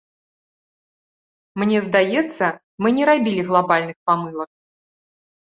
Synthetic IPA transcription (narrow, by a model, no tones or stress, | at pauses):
mnʲɛzd̪ajɛt̪sːɐ | mɨnʲɛɾabʲilʲiɣlˠabalʲnɨxpamɨlˠɐk̚